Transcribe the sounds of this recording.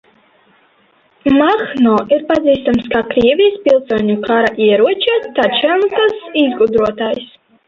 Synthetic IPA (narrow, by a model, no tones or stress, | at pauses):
maxnɔʔiɾpad̪ziːst̪amskakɾiɛvʲijspilˠsuɔɲukaɾaʔiɛɾuɔt͡ʃɛt̪at͡ʃɛnk̪asizɡud̪ɾuɔt̪aːjs